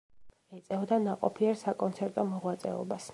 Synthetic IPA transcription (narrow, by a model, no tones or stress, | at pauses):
ɛt̪sʼɛvd̪anaqʼɔpʰiɛɾsakʼɔnt̪sʰɛɾt̪ʼɔmɔʁwat̪sʼɛ̰ɔ̰bas